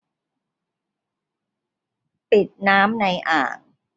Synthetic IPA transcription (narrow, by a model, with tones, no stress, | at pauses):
pi˨˩t̪̚naː˦˥mna˧jʔa̰ː˨˩k̚